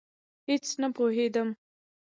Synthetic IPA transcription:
het͡snapoɦed̪əm

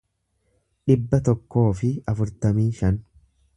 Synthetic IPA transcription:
ᶑɪbːɐt̪ɔkːo̞ːfɪɐfʊɾt̪ɐmiːʃɐn

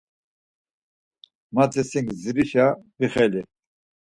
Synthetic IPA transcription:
mat͡sʰɛsiŋɡziɾiʃabiχɛli

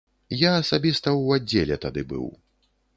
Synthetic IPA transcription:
jaːsabʲist̪ɐwad͡zʲːelʲɛt̪ad̪ɨbɨ̰w

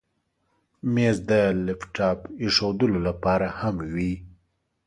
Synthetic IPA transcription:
mezd̪əlefʈɑpiʂod̪əlolapɑɾahamwi

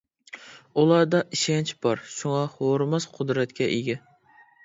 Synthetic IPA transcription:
ulˠɑɾd̪ɑʔiʃɛnt͡ʃb̥ɑɾʃuŋɑhoɾmɑsqʰʊd̪ɾɛt̪kʲʰɛʔeɡʲɛ

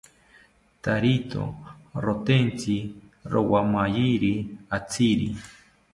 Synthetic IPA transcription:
t̪aɾit̪o̰rot̪ent͡sʰi | ɾowamajiɾiat͡sʰiɾḭ

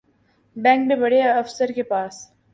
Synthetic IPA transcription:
bɛ̃ːŋk̚bebɐɽeɐfsəɾkepaːs

